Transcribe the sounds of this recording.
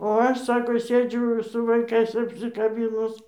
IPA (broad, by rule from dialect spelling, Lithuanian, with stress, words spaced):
oː ˈɐʃ ˈsɑːkoː ˈsʲeːd͡ʒʲʊ sʊ ʋɐɪˈkɐɪs ɐpʲsʲɪkɐˈbʲiːnʊs